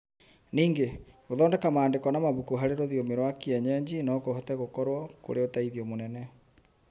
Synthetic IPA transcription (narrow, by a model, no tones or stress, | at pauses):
niːŋɡeɣoðɔːndɛkamaːndekɔnamaβukuɦaɾeɾoðiomeɾwakiɛɲɛɲd͡ʑinɔkohɔtɛɣokɔɾwɔko̰ɾeotaiðiomonɛnɛ